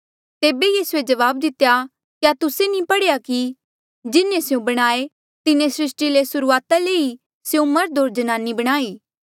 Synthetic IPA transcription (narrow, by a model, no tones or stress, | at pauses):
t̪eːbejiːsued͡ʒɐʋaːb̚d̪ɪt̪eja | kjat̪ʊsenĩpɐɽejaki | d͡ʒɪnẽsjõbɐɽ̃aːe | t̪ɪnẽsɾɪsʈilesʊɾuaːt̪aleːi | seũmɐɾd̪ʱoːɾd͡ʒɐnaːnːibɐɽ̃aːiː